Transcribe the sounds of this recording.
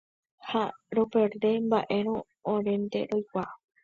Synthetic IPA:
haɾopeɾd̪embaʔe̞ɾ̃õː | ɾẽnd̪e̞̰ɾojkʷa

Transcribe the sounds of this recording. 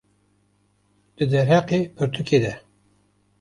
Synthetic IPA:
d̪̥ɨd̪ɛɾɦæqepʰɨɾt̪ʰukʰeːd̪ɛ

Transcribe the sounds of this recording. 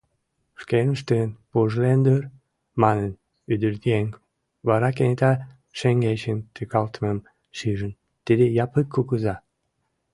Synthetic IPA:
ʃkenəʃt̪enpuʒlend̪øɾ | mɑnən | yd̪əɾt̪ieŋk | βɑɾɑkenet̪ɑ | ʃeŋɡet͡ɕənt̪ykɑlt̪məm | ʃiʒən | t̪id̪ejɑpəkʰːukəzɑ

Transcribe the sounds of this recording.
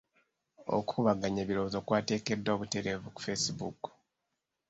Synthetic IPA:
o̞̰kuuβaɡaɲeːβiɾo̞ːzo̞ːkwaːte̞ːke̞dːoːβute̞ɾe̞vuku̥fe̞sibuku̥

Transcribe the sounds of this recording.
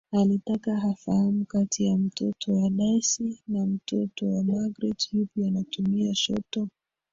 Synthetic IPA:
alitakaɦafahamukatʰijam̩tʰɔtʰɔwalajsinam̩tʰɔtɔwamaɡɾɛthupianatumiaʃɔ̰tɔ

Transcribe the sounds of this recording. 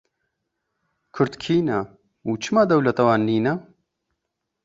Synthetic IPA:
kʰʊɾt̪kʰiːnɐ | ut͡ʃʰɨmaːd̪ɐwlɐt̪ɐwaːnːiːnɐ

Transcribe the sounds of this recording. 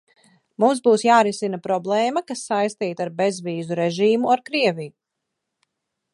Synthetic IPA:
mums̬buːsjaːɾisinapɾɔblˠɛːmakasːajst̪iːt̪aɾbezviːzuɾɛʒiːmuaɾkɾiɛviju

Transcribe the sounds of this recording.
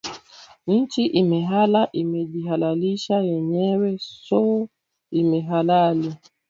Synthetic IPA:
n̩t͡ʃiʔimɛɦalaʔimɛʄiɦalaliʃajɛɲɛwɛsɔ | imɛɦalali

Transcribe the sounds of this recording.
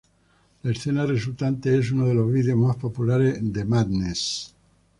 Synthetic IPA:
laesθe̞nares̬ult̪ant̪ees̬unoð̞e̞lo̞zβiðjo̞zmaspo̞pulaɾezðemaðnes

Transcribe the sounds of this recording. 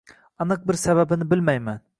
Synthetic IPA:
ɑnɨq̚bɪɾsæβæbɪnɪbɪlmɛjmæn

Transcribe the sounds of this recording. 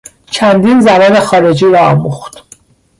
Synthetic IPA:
t͡ʃʰænd̪iːnzæbɒːne̞xɒːɾe̞d͡ʒiːɾɒːɒːmuxt̪

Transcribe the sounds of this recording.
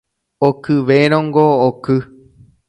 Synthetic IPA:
okɨʋeɾ̃õŋɡoːkɨ

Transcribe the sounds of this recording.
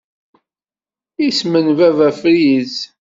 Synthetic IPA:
ismənvævæfɾiz

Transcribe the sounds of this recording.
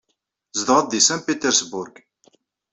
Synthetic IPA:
zd̪ʁəd̪isænpit̪ɛɾsbʊɾɡ

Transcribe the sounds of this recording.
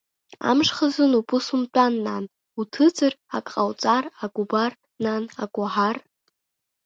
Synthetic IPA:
a̰mʂχazɨnupʼʊsumt͡pʷʼanːan | utʰɨd͡zɨrakʼqʼawt͡sʼaraɡʷʼubar | nana̰ɡʷʼaħar

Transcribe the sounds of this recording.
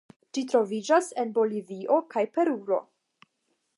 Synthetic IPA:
d͡ʒit̬ɾo̞vid͡ʒase̞nbo̞liviʔo̞kajpe̞ɾuɾo̞̰

